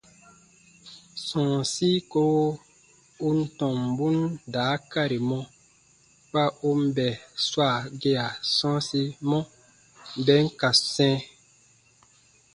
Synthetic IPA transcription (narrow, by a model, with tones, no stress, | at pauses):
sɔ̃ː˨si˦ko˦ | u˦n̩˦tɔ̃˨mbu˦ndaː˨˦ka˦ɾi˨mɔ̃˦ | k͡pa˦ʔu˦m˦bɛ˨swa˦˨ɡe˦a˨sɔ̃ː˦si˦mɔ̃˦ | bɛ˦ŋ̩˦ka˨sɛ̃ː˦